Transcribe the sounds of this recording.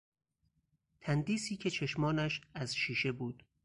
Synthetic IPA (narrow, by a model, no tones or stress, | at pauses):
t̪ʰænd̪iːsiːcʰe̞t͡ʃʰe̞ʃmɒːnæʃæzʃiːʃe̞buːd̪̥